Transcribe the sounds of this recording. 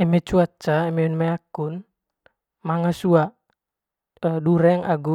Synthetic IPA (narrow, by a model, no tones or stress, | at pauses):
ɛmɛt͡ʃuat͡ʃaɛmɛunmɛakun | maŋasua | duɾɛŋaɡu